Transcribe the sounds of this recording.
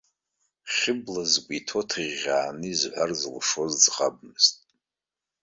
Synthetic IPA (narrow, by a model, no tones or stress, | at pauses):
χʲɪblazkʷʼitʰo̞tʰɨʁʲaːnɨizħʷarzɨlʂo̞zd͡zqʼab̚mɨztʼ